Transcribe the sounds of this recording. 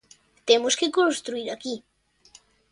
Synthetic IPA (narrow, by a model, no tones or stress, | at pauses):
t̪emoskekõnst̪ɾuiɾaki